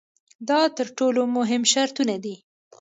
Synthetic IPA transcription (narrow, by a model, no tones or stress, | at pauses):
d̪ɑt̪əɾʈolomʊɦɪmʃaɾt̪unad̪i